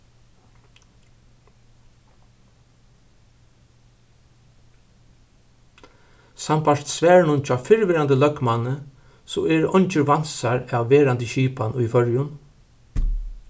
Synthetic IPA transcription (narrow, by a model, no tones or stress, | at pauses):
sampaʂt̪sʋɛːɹɳʊnt͡ʃʰaːfɪɹʋɪɾand̪əlœkmanə | sɔɛɹʔɔɲt͡ʃɪɾʋansaɹawːeːɾant̪əɕiːpanʊjfœɹjʊn